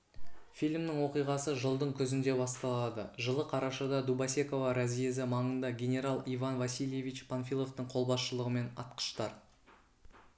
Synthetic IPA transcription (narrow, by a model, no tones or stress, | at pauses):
fijlʲmnɪŋwo̞qijʁɑsəʒəlˠd̪əɴkʲʰɵzɪnd̪e̞bɑst̪ɑlˠɑd̪əʒəlˠəqʰɑɾɑʃɑd̪ɑd̪ubɑse̞ko̞vɑɾazije̞zɪmɑɴənd̪ɑɡʲe̞nʲe̞ɾalˠijvɑnvasilje̞vit͡ʃpʰanfʲilˠo̞ft̪əɴqʰo̞lˠbɑsʃəlˠəʁəme̞nɑ̰t̪qə̥ʃt̪ɑɾ